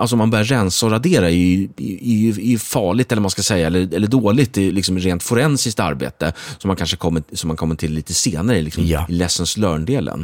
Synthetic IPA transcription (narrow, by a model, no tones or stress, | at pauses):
ʔalsɔmanbœɾjaɾɛnsɔɾad̪eːɾaɛɾjɛɾjɵjɵfɑːɭɪɡ̚t̪ɛlːəmanskasɛjːaɛlːəɛlːəɖoːlɪɡt̪ɪlɪksɔmɾeːnt̪fʊɾɛnsɪsk̚t̪a̰ɾbḛːt̪əsɔmːankanʂəkʰɔmːəsɔmːankʰɔmːəʈʰɪlːiːt̪əseːnaɾəɪlɪksɔmɪlɛsːənslœːɳɖeːlə̰n